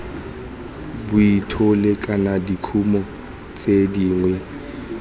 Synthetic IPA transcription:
bʊitʰʊlɪkʼanadikʰumɔ | t͡sʼediːŋwɛ

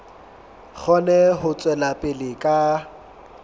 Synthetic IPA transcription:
k͡xʰɔnɛɦʊt͡sʼwɛlapʼɪlɪkʼa

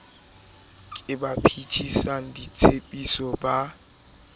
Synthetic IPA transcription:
kʼɪbapʰitʰisaŋ̩dit͡sʰepʼisɔba

